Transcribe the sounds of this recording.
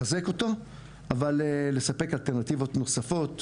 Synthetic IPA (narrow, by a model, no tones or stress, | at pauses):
aze̞ko̞to̞ | avalele̞sape̞kalt̪eʁnat̪ivo̞tno̞safo̞t̪